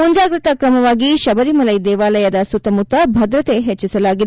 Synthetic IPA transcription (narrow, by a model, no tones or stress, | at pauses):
uɲd͡ʒaːɡɾɨt̪ɐkɾɐmɐʋaːɡiʃɐbɐɾimɐlɐjd̪ɛːʋaːlɐjɐd̪ɐsut̪ːɐmut̪ːɐbʱɐd̪ɾɐt̪e̞ɦet͡ʃːisɐlaːɡid̪